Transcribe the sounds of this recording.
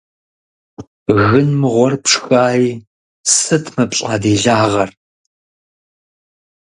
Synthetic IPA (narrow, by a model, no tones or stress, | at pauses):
ɣɨnmɨʁʷɔrpʂxaːjiː | sɨtʰmɨpɕʼaːdiːɮaːʁɐr